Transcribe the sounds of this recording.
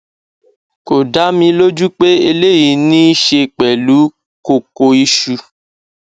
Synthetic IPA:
ko˨da˨˦mĩ˧lo˦d͡ʒu˦k͡pe˦e˧le˦˨ji˨nĩ˦i˦ʃe˧k͡pɛ˨lu˨˦ | ko˨ko˧i˧ʃu˧

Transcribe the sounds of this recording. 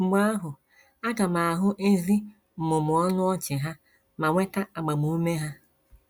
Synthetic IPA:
ɡ͡ba˦a˦ɦʊ˨ | a˦ka˨ma˨a˨ɦʊ˦ʔe˦zi˦ | m̩˨mʊ˨mʊ˨ɔ˦nʊ˦ɔ˦t͡ʃɪ˨ɦa˦ | ma˨ŋʷe˦ta˦a˨ɡ͡ba˨mu˦me˦ɦa˦

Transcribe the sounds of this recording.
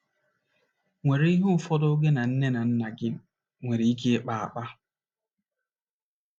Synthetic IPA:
ŋʷe˨ɾe˦i˦ɦʊ˦ʊ˨fɔ˦dɔ˦ɡe˦na˨n̩˦ne˦na˨n̩˦na˨ɡɪ˦m̩˦˨ | ŋʷe˨ɾe˨i˦k̬e˦k͡pa˨a̰˨k͡pa˦

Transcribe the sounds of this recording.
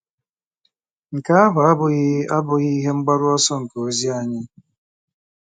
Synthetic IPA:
ŋ̩˨ka˨˦a˦ba˨a˦bʊ˦ɣi˦a˦bʊ˦ɣi˦ɦe˦ŋ͡m̩˦ɡ͡ba˦ɾʊ˦ɔ˦sɔ˦ŋ̩˨ko˨o˦zi˦a˨ɲɪ˦

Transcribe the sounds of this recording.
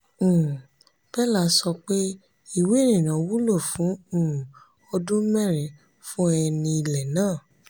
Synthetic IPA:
b̥ɛ˦la˦sɔ˧k͡pe˦ | i˦˨we˨˦nĩ˨nã˨˦wu˦lo˦˨fũ˨˦ũ˦˨ | ɔ˧dũ˦mɛ˦˨ɾɛ̃˨ | fũ˦ɛ˧nĩ˧i˧lɛ˨nãː˦˨

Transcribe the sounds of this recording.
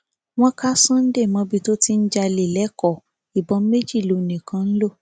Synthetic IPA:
w̃ɔ̃˦ka˦sã˦n̩˦de˦˨mɔ̃˧bi˧to˦ti˦n̩˦d͡ʒa˧le˨lɛ˨˦kɔ˦˨ | i˨bɔ˨˧˦me˦d͡ʒi˦˨lo˨˧˨nĩ˨kã˨˧˦n̩˦lo˦˨

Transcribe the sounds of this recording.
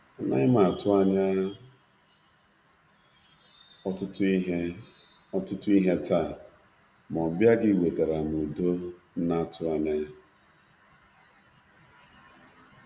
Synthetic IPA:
a˨na̰˦ɲɪ˦ma˨tʊ˦a˦ɲa˦ | ɔ˦tʊ˦t | ɔ˦tʊ˦tʊ˦i˦ɦe˦ta˦˨ | m˨ɔ˨bja˦ɡɪ˦˨we˨te˨ɾa˨m˨u˨do˦n̩˦na˦˨tʊ˦a˨ne˦

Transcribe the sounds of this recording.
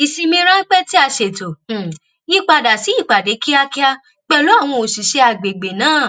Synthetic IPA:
i˧si˧mĩ˧˦ɾ̃ã˦k͡pɛ˦ti˦a˧ʃe˨tõ˨ | i˦k͡pa˧da˨si˨˦i˦˨k͡pa˨de˨˦ki˦a˦ki˦a˧ | k͡pɛ˧lo˦a˦˨w̃ɔ̃˧o˨si˨ʃe˧a˧˨ɡ͡be˨ɡ͡be˨nãː˨˦˨

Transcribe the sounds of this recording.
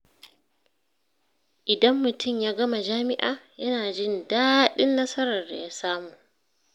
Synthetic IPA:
ʔɪ˨dɐ˦mːʊ˨tʊ˦˨mjaː˦ɡɐ˦ma˨d͡ʒaː˦mɪ˦ʔaː˨jɐ˦naː˨d͡ʒɪ˦ndaː˦ɗɪ˦nːɐ˦sɐ˦ɾɐ˨rda̰˨ja˦saː˦muː˨ʔ

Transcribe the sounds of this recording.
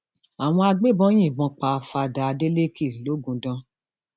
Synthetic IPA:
a˨w̃ɔ̃˧a˧ɡ͡be˦˨bɔ̃˦j̃ĩ˦˨ɡ͡bɔ̃˧k͡pa˨˧fa˧da˧de˦le˦ki˦˨lo˨˦ɡũ˧dɔ̃˧

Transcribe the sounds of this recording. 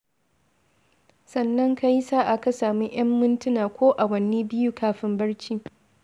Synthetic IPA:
sɐ˨nːɐ˦ŋka˦ji˦saː˦ʔa˨ka˨saː˨miː˦ʔj̰ɐ˦mːɪ˦ntʊ˦naː˨kʷoː˦ʔa˨wɐ˦niː˦bɪ˦ju˦kʰaː˦ɸɪ˦mbɐ˦ɽt͡ʃiː˦

